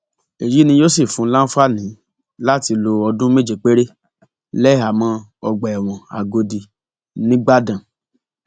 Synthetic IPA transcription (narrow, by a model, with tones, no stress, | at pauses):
e˨ɾi˨˦nĩ˧jo˦si˦˨fũ˨˦la˦n̩˦fa˦˨nĩ˨˦ | la˦˨ti˧lo˧ɔ˧dũ˦me˦d͡ʒe˧˨k͡pe˦ɾe˦ | lɛ˦a˨mã˧ɔ˧ɡ͡ba˨ɛ˨w̃ɔ̃˨a̰˨ɡo˧di˧˨ | nĩ˦ɡ͡ba˦dã˨